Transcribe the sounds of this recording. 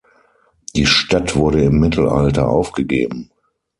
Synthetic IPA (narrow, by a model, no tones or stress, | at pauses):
d̥iːʃtatv̥ʊɐɾəɪmːɪtʰl̩ʔa̰ltɐ̰ʔa̰ʊfɡ̥əɡḛːbm̩